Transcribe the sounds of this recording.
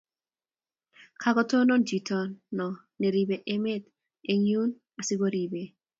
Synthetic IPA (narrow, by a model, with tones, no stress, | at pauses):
kʰa˦ɡɔ˦to˦nɔ˦nd͡ʒi˨tɔ˦nːɔ˨ | ne˨ɾi˨be˨ʔe˦me˦t̪ | e˨ɲu˦n | a˨sɪ˦ɡo˦ɾi˨be˨